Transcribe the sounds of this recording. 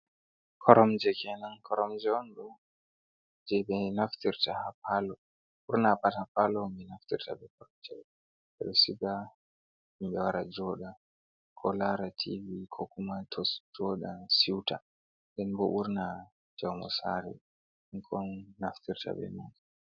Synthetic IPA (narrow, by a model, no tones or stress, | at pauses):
kʰɔɾɔmd͡ʒɛkɛnankʰɔɾɔmd͡ʒɛɔnɗɔ | d͡ʒɛɓɛnaftiɾtahapalɔ | ɓuɾnapatahapalɔmɛnaftiɾtabɛkɔɾɔt͡ʃɛl | ɓɛɗɔsiɡa | imbɛwaɾad͡ʒɔɗa | kʰɔlaɾatʰivikʰɔkumatʰɔsd͡ʒɔɗasiwta | dɛnbɔʔuɾna | d͡ʒawmɔ̰saɾɛ̰ | iŋkʰɔnːaftiɾta̰ɓɛ̰nan